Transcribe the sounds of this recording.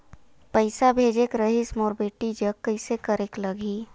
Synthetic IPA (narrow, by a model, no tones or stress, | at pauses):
pəɪsabʱeːd͡ʒekɾəɦismoːɾbeːʈid͡ʒəkːəɪsekəɾeːkləɡʱiː